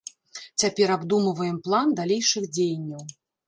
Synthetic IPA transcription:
t͡sʲapʲɛɾabd̪umɐvɐjɛmplˠand̪alʲejʂɨxd͡zʲejɐnʲːɐw

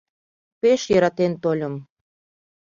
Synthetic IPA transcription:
peʃjəɾɑt̪ent̪olʲəm

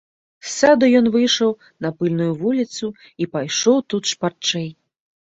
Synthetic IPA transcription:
sad̪ɐjɔnvɨjʂɐw | nɐpɨlʲnujuvulʲit̪su | ipajʂɔwt̪ut̪ʂpart͡ʂɛj

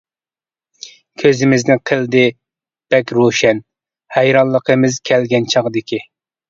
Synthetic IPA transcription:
kʲʰøzɪmɪznɪqʰəlˠd̪ɪ | b̥ɛkʲɾoʃɛn | hæjɾɑnlˠəqʰəmɪzkʲʰɛlɡʲɛnt͡ʃʰɑʁəd̪ɪkʲi

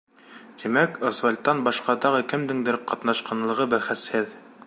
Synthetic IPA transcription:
t̪imækŏsvalʲt̪ːɑnbɑʃqɑd̪ɑʁɤkɘ̆md̪ɘŋd̪ɘɾqɒt̪nɑʃqɑnlˠɤ̆ʁɤbæχɘshɘð

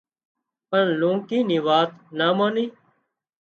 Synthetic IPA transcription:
pəɳlõːkiːnĩːʋaːt̪naːmãːniː

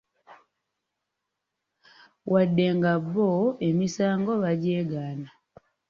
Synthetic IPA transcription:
wʔadːeːŋɡaβːoe̞misaːŋɡoβaɟeːɡaːna

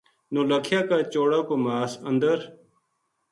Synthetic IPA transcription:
noːləkʰjaːkaːt͡ʃoːɽaːkoːmaːsənd̪əɾ

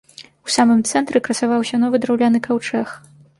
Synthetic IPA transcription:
usamɨmt̪sɛnt̪ɾɛkɾɐsavawsʲɐnɔvɨd̪ɾawlʲanɨkawt͡ʂɛx

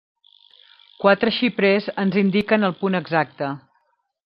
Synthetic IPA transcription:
kwat̪ɾəʃipɾezənzind̪ikənəlˠpunəɡzak̚t̪ə

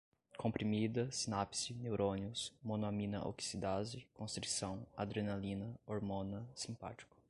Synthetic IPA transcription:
kʰõpɾimid̪ɐsinapsinewɾʔõniʊsmõnoamĩnɐʔo̰ki̥sid̪azɪkõst̪ɾisɐ̃w̃a̰d̪ɾenalĩnɐoɾmõnɐsĩmpa̰t͡ʃi̥kʊ̥

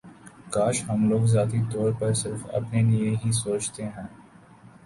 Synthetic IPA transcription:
kaːʃɦɐmloːɡzaːt̪it̪ɔːɾpɐɾsɪɾfɐ̰pnelieɦisoːt͡ʃt̪eɦɛ̃ː

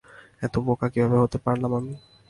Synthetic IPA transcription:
ɛt̪obokakibʱabeɦot̪epaɾlamami

